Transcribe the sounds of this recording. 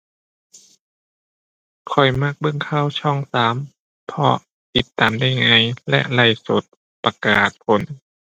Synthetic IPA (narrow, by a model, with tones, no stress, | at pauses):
kʰɔ˨˩jma˧˥˩k̚bɤ˧˥˨ŋkʰaː˧˥˨wt͡ɕʰɔ˧˥˩ŋsaː˨˦m | pʰɔ̰˧ | pi˧˦t̪ːaː˨mda˥˩jŋaː˧˩jlɛ̰˧ʔla˧˩jso˨˦t̪̚ | pa˧kaː˨˩t̪̚pʰo˧˦n